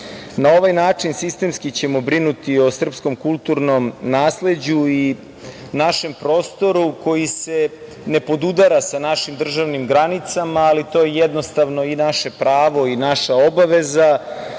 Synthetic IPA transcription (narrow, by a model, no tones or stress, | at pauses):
nao̞ʋajnaːt͡ʂinsist̪e̞mskit͡ɕe̞mo̞bɾinut̪io̞sr̩psko̞mkulˠt̪uɾno̞mnaːsle̞d͡ʑui | naʃe̞mpɾo̞ːst̪o̞ɾuko̞jise̞ | ne̞po̞d̪ud̪aɾasanaʃimd̪r̩ʒaʋnimɡɾanit̪samaːlit̪o̞jejɛd̪no̞st̪aʋnoinaʃe̞pɾaːʋo̞inaʃao̞baʋe̞za